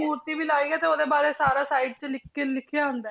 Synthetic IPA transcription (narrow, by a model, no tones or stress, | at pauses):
uːɾt̪iːbʱiːlaːiːɛːt̪eːoːd̪eːbaːɾeːsaːɾaːsaːiːɖ̚t͡ʃəlɪkʰelɪkʰːɪjaːɦʊ̃nd̪aː